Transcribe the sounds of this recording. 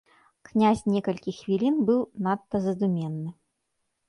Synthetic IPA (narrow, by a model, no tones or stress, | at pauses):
knʲazʲnʲɛkɐlʲkʲixvʲilʲinbɨwnat̪ːɐzɐd̪umʲɛnːɨ